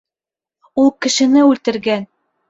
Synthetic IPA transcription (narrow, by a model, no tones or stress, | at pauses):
ulˠkɘ̆ʃɘ̆nɘʉlt̪ɘ̆ɾɡæn